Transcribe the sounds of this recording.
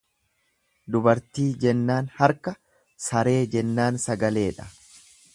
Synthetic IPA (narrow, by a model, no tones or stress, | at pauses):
d̪ʊbɐɾt̪iːd͡ʒɛnːaːnhɐɾkɐ | sɐɾe̞ːd͡ʒɛnːaːnsɐɡɐle̞ːᶑɐ̥